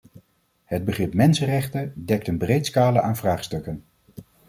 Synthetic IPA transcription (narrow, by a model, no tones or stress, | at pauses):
həd̚bəχrɪpmɛnsərɛχtədɛk̚tənbrejtskaːləʔaːnvraːχstɵkən